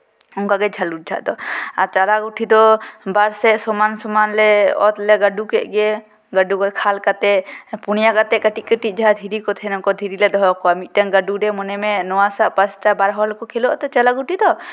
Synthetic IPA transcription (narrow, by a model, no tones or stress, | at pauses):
uŋkaɡɛd͡ʒʱɐlut͡ʃ̚d͡ʒʱa̰ʔd̪ɔat͡ʃalaɡuʈʰid̪ɔbaɾsɛsɔmansɔmanlɛɔ̰t̪lɛɡəɖukɛʔɡe | ɡəɖukɔkʰalkat̪ɛpunjaɡat̪ɛʔkəʈiʔkəʈid͡ʒʱad̪ʱiɾikɔt̪ʰɛnɔkɔd̪ʱiɾiled̪ɔɦɔkɔamiʔʈənɡəɖuɖɛmɔnɛmẽnɔwasaʔpəst͡ʃabaɾɦɔlkɔkʰeloʔt̪ɔt͡ʃalaɡuʈʰid̪ɔ